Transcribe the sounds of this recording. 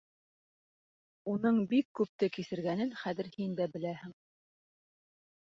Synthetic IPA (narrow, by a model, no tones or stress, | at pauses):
unɤɴbikːʉp̚t̪ɘkisɘ̆ɾɡænɘnχæðɘ̆ɾhind̪æbɘ̆læhɘŋ